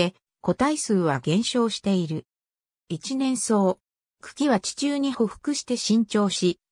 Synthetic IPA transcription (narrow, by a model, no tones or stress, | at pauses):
e̞ | ko̞t̪aisɨːβaɡẽ̞ɕo̞ːɕi̥t̪e̞iɾɯ̟ | it͡ɕinẽ̞ɰ̃so̞ː | kɯ̟̥kʲiβat͡ɕi̥t͡ɕɨːɲ̟iho̞ɸɯ̟̥kɯ̟ɕi̥t̪e̞ɕĩɲ̟t͡ɕo̞ːɕi